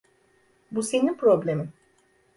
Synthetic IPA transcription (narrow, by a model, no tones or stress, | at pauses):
buseninpɾo̞blʲemin